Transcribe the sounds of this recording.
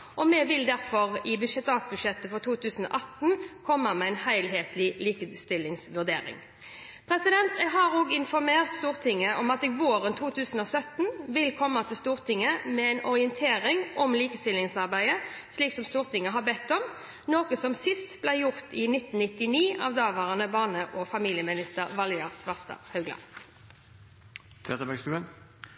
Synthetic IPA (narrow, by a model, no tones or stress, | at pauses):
ʔɔmɛʋɪld̪æɾfɔʁɪbʉʃɛt̪ɑːt̪̚bʉdʂɛt̪ːəfɔʁt̪ʰuːt̪ʰʉːsən̩o̰ːʔɑt̪n̩kʰɔmːɑmɛæɪnhæɪlɦeːt̪lɪliːkəst̪ɪlːɪŋsʋʉʁd̪ḛːɾɪ̰ŋ | pʰɾɛsɪd̪ɛnt̪ɛɡɦɑɾoːɡɪnfɔɾmeːʁt̪st̪uːʁt̪ʰɪŋːəʔɔmɑt̪ɪʋoːɾənt̪ʰuːt̪ʰʉːsn̩ɔsœt̪n̩ʋɪlkʰɔmːɑt̪ʰɪlst̪uːʁt̪ʰɪŋːəmɛɛnʔɔʁɪənt̪ʰeːʁɪŋʔɔmliːkəst̪ɪlɪŋsɑʁbæɪəsliːksɔmst̪uːʁt̪ɪŋːəɦɑbɛt̪ːɔm | noːkəsɔmsɪst̪blæɪjʊʁt̪ɪnɪt̪ːn̩nɪt̪ːɪniːɑʋd̪ɑːʋɑːʁɑnəbɑːʁnəʔɔfɑmiːlɪəmɪnɪst̪əʁʋɑljɑʁsʋɑʁst̪ɑ̰hɑʉɡlɑ̰ | t̪ʰɛt̪əbæɡst̪ʉːən